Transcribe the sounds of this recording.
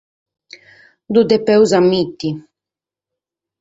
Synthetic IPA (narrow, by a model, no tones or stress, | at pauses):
d̪ud̪ɛpɛwzamːit̪ːi